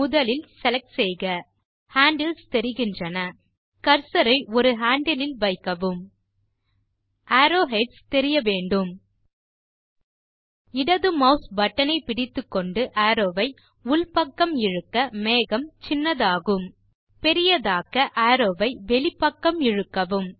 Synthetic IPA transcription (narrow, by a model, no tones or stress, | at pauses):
mʊðɐlɪlsɛlɐk̚sɛɪɣɐ | haːɳɖɐlst̪ɛɾɪɣɪndrɐnɐ | kɐɾsɐɾɐɪɔɾɯɦaːɳɖɐlɪlʋɐɪkːɐʋɯm | aːɾoːɦɛɖst̪ɛɾɪjɐʋeːɳɖɯm | ɪɽɐðɯmɐʊsbɐʈːɐnɐɪpɪɽɪt̪ːɯkːɔɳɖɯʔaːɾoːʋɐɪ | ʊlpɐkːɐmɪɻɯkːɐmeːɣɐmt͡ʃɪnːɐðaːɣɯm | pɛɾɪjɐðaːkɐʔaːɾoːʋɐɪʋɛɭɪpːɐkːɐmɪɻɯkːɐʋɯm